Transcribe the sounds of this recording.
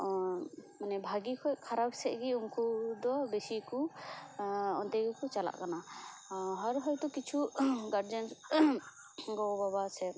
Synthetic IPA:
manɛbʱaɡikʰɔjkʰaɾab̚sɛʔɡiuŋkud̪ɔbɛsiku | ɔnd̪ɛɡɔkut͡ʃala̰ʔkana | ɦaɾɦɔjt̪ɔkit͡ʃʰuɡaɾd͡ʒɛns | ɡɔbabasɛ

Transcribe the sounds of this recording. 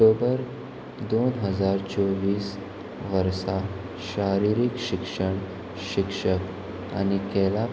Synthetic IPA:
obəɾ | d̪onɦəd͡zaɾt͡soʋiːs | ʋəɾsa | ɕaɾiɾikɕikʂəɳ | ɕikʂək | a̰nikɛla

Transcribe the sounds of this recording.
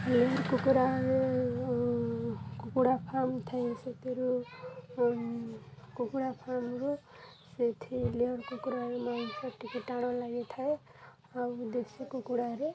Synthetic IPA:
leɔɾkukuɾaɾe | kukuɽapʰamt̪ʰaeset̪ʰeɾu | kukuɽapʰamɾu | set̪ʰileɔɾkukuɾaɾmasɔʈːikeʈaɽ̃ɔ̃laɡet̪ʰae | ad̪esikukuɽaɾe

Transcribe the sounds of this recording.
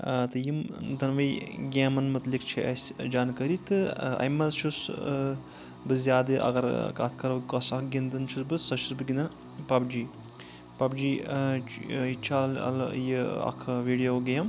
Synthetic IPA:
t̪ɨjimd̪ɐnʋɐjɡʲaːmɐnmɐt̪likt͡ʃʰiɐsʲd͡ʒaːnkɐɾit̪ɨɐ̰jmɐzt͡ʃʰus | bɨzʲjaːd̪ɨʔɐ̰ɡɐɾkaːt̪ʰkɐɾɐkɐsɐkɡʲind̪ɨnt͡ʃʰusbɨsɐʃʰusbɨɡʲinɐn | pɐbd͡ʒiː | pɐbd͡ʒiː | it͡ʃʰalɐ̰ljiɐ̰kʰʋiːɖijoːɡɐjɐm

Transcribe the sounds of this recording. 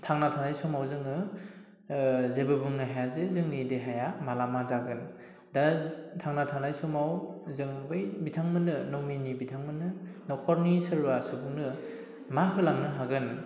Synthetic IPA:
tʰaŋnatʰanajsɔmawzɯŋɯ | zebɯbuŋnɯɦajazezɯŋnideɦajamalamazaɡɯn | datʰaŋnatʰanajsɔmawzɯŋbɯjbitʰaŋmɯnɯnɔminibitʰaŋmɯnɯnɔkʰɔɾnisɯɾbasɯbuŋnɯ | maɦɯlaŋnɯɦaɡɯn

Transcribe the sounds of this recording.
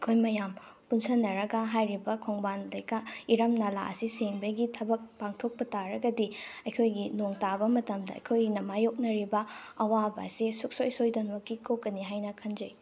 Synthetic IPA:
ɐkʰojmɐjampunsɐnɐɾɐɡɐɦajɾibɐkʰoŋbanlɐjkaiɾɐmnala̰ʔɐ̰siseŋbɐɡitʰɐbɐk̚paŋtʰok̚pɐtaɾɐɡɐdiɐjkʰojɡinoŋtabɐmɐtɐmdɐɐ̰jkʰojɡinɐmajok̚nɐɾibɐɐwaba̰sesuk̚sojsojdɐnmɐkːikokːɐniɦajnɐkʰɐnd͡ʒɐj

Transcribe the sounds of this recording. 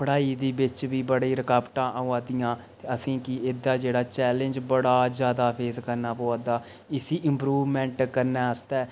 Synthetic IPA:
pʰəɽaːiːd̪iːbɪt͡ʃʋiːbəɽiːɾəkaːbʈãːʔəaːd̪ɪjãːt̪eːəsĩːkɪed̪aːd͡ʒeːɽaːt͡ʃɛːlənd͡ʒbəɽaːd͡ʒjaːd̪aːpʰeːzkəɾnaːpoːaːd̪aː | ɪsiːʔɪmpɾuːʋmɛ̃ːɳʈkəɾnɛːəst̪ɛː

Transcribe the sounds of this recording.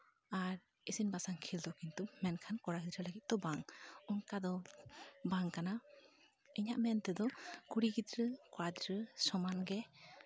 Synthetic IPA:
aɾ | isinbasaŋkʰild̪ɔkint̪umɛnkʰankɔɽaɡid̪ɾəlaɡit̪̚d̪̥ɔbaŋunkad̪ɔ | baŋkana | ɛɲaʔmɛnt̪ɛd̪ɔkuɽiɡid̪ɾəkwad̪ɾəsɔmanɡɛ

